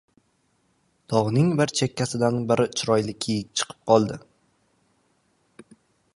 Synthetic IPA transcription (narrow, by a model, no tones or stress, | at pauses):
d̪̥ʰɒʁnɪŋbɪɾt͡ʃʰe̞kʲːasɪd̪anbɪɾʔɪt͡ʃʰʊɾɒjlɪkʲʰejɪk̚ʲt͡ʃʰɨ̥qʰɨ̥p̚qʰɒlˠd̪ɪ